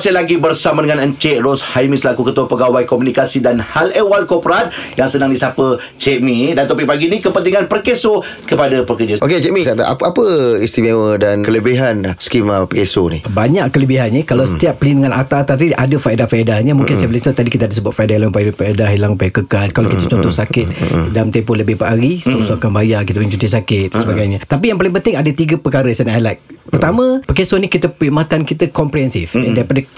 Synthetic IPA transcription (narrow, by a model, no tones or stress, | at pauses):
sajalaɡibərsamadəŋanəɲt͡ʃeʔrɔshajmĩsəlakukət̪uapəɡawajkɔmunikasidanhalewalkɔpɾat̪̚jaŋsənaŋdisapə | t͡ʃɛʔmĩdant̪ɔpik̚paɡinikəpənt̪iŋanpərkeso | kəpadapəkərd͡ʒəʔoket͡ʃɛʔmĩsat̪a̰ʔa̰apəist̪imewədankələbiɦanasə̥kimapəkesonḭbaɲaʔkələbiɦanːikalawsə̥t̪iap̚pəlindəŋanʔat̪at̪aiʔadəfaedafaedahɲəmũŋkɪnsajabəlɪt̪ut̪adikit̪əadəsəbuat̪faedaɦilaŋupajpaedaɦilaŋupajakəkalkalawkit̪ət͡ʃɔnt̪ɔhsakɪt̪̚dalamt̪ɛmpʊləbɪhpəaɡisosoakanbajakit̪əpət͡ʃut̪isakɪt̪̚səbaɡajɲət̪apijaŋpalɪŋp̬ənt̪ɪŋadət̪iɡəpəkaɾəsanajlajt̚pərt̪amə̃pəkesonikit̪əpəimat̪ankit̪əkɔmpɾiɦɛnsɪfɛndaipadə